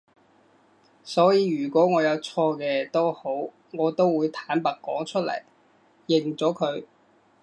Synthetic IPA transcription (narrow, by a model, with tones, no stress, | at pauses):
sɔː˨˥jiː˨˧ɥyː˨˩kʷɔː˨˥ŋɔː˨˧jɐ˨˧wt͡sʰɔː˧kɛː˧t̪o˥who˨˥w | ŋɔː˨˧t̪o˥wwuː˨˧jt̪ʰaː˨˥npɐ˨k̚kːɔː˨˥ŋt͡ʃʰɵ˥t̚lɐ̰˨˩j | jɪ˨˩ŋt͡sɔː˨˥kʰɵ˨˧ɥ